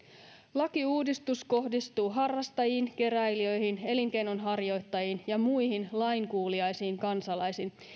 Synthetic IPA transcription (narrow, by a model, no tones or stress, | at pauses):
lɑkiuːdist̪usko̞ɦdist̪uːɦɑrːɑst̪ɑjiːnke̞ɾæjliø̞jɦine̞liŋke̞jno̞nɦɑrjo̞jt̪ːɑjinjɑmujɦinlɑjŋkuːliɑjsiːŋkɑnsɑlɑjsin